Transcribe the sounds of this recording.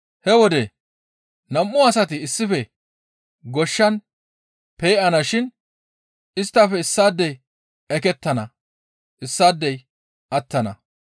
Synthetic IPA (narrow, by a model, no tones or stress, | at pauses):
hɛwɔd̪e | nɐmʔːʊɐsɐt̪ɪːsːɪfɛ | ɡɔʃːɐn | peːʔɐnɐʃɪn | ɪst̪ːɐfɛɪsːaːd̪ːɛj | ɛkɛt̪ːɐnɐ | ʔɪsːaːd̪ːɛj | ʔɐt̪ːɐnɐ̰